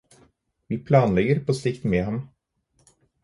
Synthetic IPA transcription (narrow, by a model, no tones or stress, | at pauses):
ʋiːpʰlɑːnlɛɡəɾpʰoːsɪkt̪meːhɑm